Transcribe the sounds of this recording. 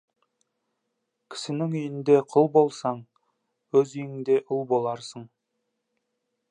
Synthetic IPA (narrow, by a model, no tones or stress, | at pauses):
kʲʰɪ̥sɪnɪŋʏjɪnd̪e̞qʰʊlˠbo̞lˠsɑɴ | wɵzijɪŋd̪e̞ʔʊlˠbo̞lˠɑɾsəɴ